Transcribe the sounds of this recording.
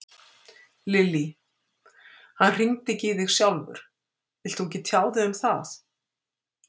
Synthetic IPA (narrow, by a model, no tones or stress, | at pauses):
lɪlːi | hanr̥iŋt̪ɪcɪðɪɣsjawlvʏ̰ɾ̥ | ɪl̥t̪uɲcɪt̪ʰjaːwðɪʏmθaθ